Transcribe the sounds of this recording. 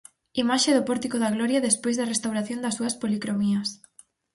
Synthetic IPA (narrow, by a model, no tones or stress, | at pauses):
imaʃeðʊpɔɾt̪ikoðɐɣlɔɾjɐðespojzðɐrest̪awɾaθjond̪ɐsuɐspolikɾomiɐs